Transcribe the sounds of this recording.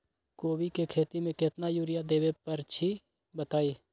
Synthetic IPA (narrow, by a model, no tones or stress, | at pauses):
koːbikekʰeːt̪imẽket̪najuːɾijad̪eːbepəɾt͡ʃʰi | bət̪aːi